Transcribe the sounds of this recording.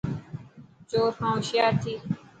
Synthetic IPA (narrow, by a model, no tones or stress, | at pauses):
t͡ʃoːɾhãːʃɪjaːɾt̪ʰiː